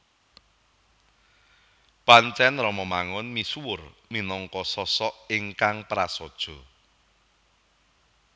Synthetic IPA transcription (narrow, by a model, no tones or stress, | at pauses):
pant͡ʃɛnrɔmɔmaŋɔnmisuwʊrminɔŋkɔsɔsɔʔɪŋkaŋpɾasɔd̥ʒ̥ɔ̤